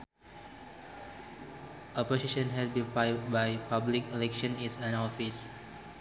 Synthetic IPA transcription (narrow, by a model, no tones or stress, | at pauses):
ɔposiʃɔ̃nɦɛd̚bĩnpaj̚bajpablikelɛkʃɔ̃nisãnɔfis